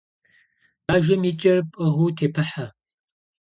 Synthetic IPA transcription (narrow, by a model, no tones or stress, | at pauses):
baːʒɐmit͡ʃʼɐrpʼɨʁuːtʰeːpʰɨħa